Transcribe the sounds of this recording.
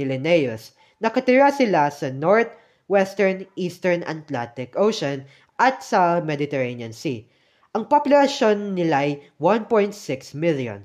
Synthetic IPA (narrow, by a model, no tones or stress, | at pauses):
ɪlɛnɛjos | nɐkɐt̪ɪɹasɪlasɐnoɹt̪̚ | wɛst̪ɛɹniːst̪ɛɹnɐ̰t̪lant̪ɪkʔowʃɔn | ʔɐt̪sɐmɛd̪ɪt̪ɛɹenjɐnsi | ʔɐŋpaplɾɐʃonːɪlajwanpojnt̪̚sɪksmɪljɔ̰n